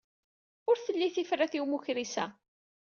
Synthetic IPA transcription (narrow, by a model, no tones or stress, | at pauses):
ʊɾθəlːiθifɾæθiwmuçɾisæ